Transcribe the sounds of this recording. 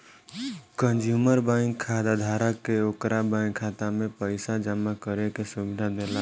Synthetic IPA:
kənd͡ʒjuməɾbãŋkʰːad̪ad̪ʱaɾakːeokɾabãŋkʰat̪amẽpəɪsad͡ʒəmːakəɾekesubid̪ʱad̪ela

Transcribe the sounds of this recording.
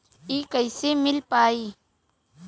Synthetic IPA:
iːkəjsemɪlpaːiː

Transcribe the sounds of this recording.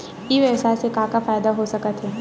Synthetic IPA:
ɪʋɛːsaːsekãːkafaːjd̪aɦosɐkət̪ɦɛː

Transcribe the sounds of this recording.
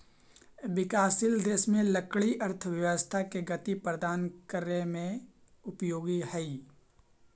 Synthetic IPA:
ʋɪkaːsɪld̪eːsmẽləkɭiʔɐɾt̪ʰəʋjəʋəst̪ʰakeɡɐt̪ipɾəd̪aːnkəɾemẽ | ʊpjoːɡihɛi

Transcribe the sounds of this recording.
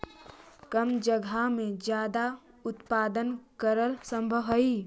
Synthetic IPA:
kəmd͡ʒəɡʱamẽd͡ʒjaːd̪a | ʊt̪paːd̪ənkəɾəlsə̃mbʱəʋɦəi

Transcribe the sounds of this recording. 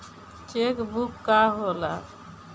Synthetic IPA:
t͡ʃekbukːaɦola̰

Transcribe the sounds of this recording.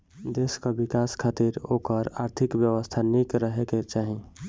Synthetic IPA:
d̪eskabikaskʰaːt̪iɾokəɾaɾt̪ʰikbjəwəst̪ʰanikɾəɦeket͡ʃaːɦĩ

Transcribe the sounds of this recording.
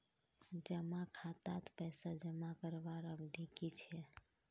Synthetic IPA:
d͡ʒəmakʰat̪at̪pɛsad͡ʒəmakəɾbaɾəbd̪ʱikit͡ʃʰɛ

